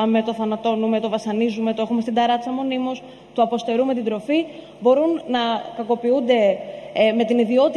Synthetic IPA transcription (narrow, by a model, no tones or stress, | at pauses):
me̞t̪oθɐnɐt̪o̞nume̞t̪o̞vɐsɐnizume̞t̪oexumest̪ind̪ɐɾɐt͡sɐmo̞nimos | t̪uɐpo̞st̪e̞ɾume̞t̪ind̪ɾo̞fi | bo̞ɾunːɐkɐko̞piund̪e̞ | me̞t̪iniðio̞t̪